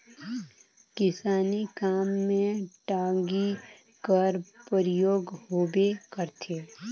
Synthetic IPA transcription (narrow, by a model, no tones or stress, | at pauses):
kɪsaːnikaːmːẽʈaːɡi | kəɾpəɾɪjoːɡɦoːbekəɾt̪ʰeː